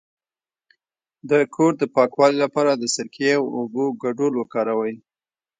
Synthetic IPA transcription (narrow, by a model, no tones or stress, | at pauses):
d̪əkʰoɾd̪əpɑkwɑlilapɑɾad̪əsɪɾkʰewoboɡaɖolwəkɑɾawəj